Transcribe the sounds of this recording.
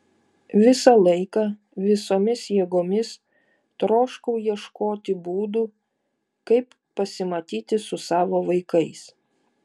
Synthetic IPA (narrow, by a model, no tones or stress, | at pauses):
ʋʲɪsɑlˠɐɪkɑ | ʋʲɪsoːmʲɪsjiɛɡoːmʲɪs | t̪ɾoːʃkɐʊjiɛʃkoːt̪ʲɪbuːd̪uː | kɐɪpːɐsʲɪmɐt̪ʲiːt̪ʲɪsʊsɑːʋoːʋɐɪkɐɪs